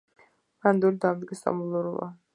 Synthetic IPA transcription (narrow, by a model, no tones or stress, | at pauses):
mand̪uɾid̪amd̪ɡɛsa̰mulˠɔɾula̰